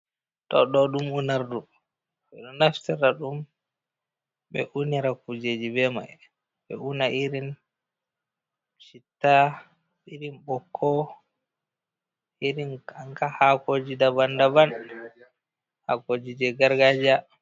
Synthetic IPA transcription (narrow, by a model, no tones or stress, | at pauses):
tɔ̰ɗɔɗumunaɾdu | ɓɛɗɔnaftiɾaɗum | ɓɛ̰ʔuniɾakud͡ʒed͡ʒibɛma̰ | bɛ̰unaʔiɾin | t͡ʃitːa | iɾinɓɔkʰːɔ | iɾinaŋkahakod͡ʒidabandaban | ha̰kod͡ʒid͡ʒɛɡaɾɡad͡ʒa